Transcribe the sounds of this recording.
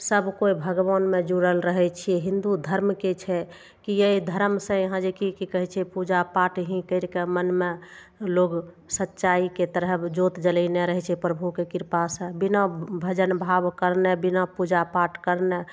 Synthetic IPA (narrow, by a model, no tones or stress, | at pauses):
səbʱkoibʱəɡʋanmed͡ʒuɽəlɾəɦɛt͡ʃʰiɛɦĩnd̪ud̪ʱəɾmket͡ʃʰɛ | kijeid̪ʱəɾmsə̃ɦãd͡ʒekikikəɦɛt͡ʃʰɛpud͡ʒapaʈɦĩkəɪɾkemənme | loɡ | sətːʃaiket̪əɾəɦd͡ʒot̪d͡ʒələneɾəɦɛt͡ʃʰɛpɾəbʱukekiɾpasə̃binəbʱəd͡ʒənbʱabkəɾnɛbinapud͡ʒapaʈkəɾne